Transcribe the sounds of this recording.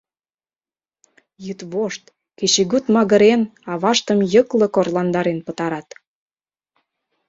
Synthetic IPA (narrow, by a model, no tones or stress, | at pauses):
jyt̪βoʃt̪ | ket͡ɕeɣyt̪mɑɣə̆ɾenɑβɑʃt̪əmjəkləkorlɑnd̪ɑɾenpət̪ɑɾɑt̪